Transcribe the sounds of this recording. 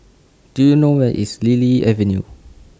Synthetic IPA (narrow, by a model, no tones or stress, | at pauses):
d̥ujunowɛʔḭsliliɛvɛ̃njṵ